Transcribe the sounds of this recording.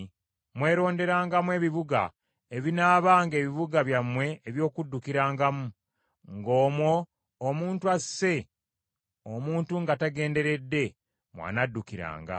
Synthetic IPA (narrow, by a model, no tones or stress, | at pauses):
mwe̞ːɾo̞ːnde̞ɾaːŋɡamwe̞ːβiβuɡa̰ | eβinaːβaːŋɡe̞ːβiβuɡaβjamwe̞ːβjo̞ːkudːukiɾaːŋɡamu | ŋɡo̞ːmwoː | muːntuasːe̞ | omuːntuŋɡataɡe̞ːnde̞ɾe̞dːe̞ | mwa̰ːnadːukiɾa̰ːŋɡa̰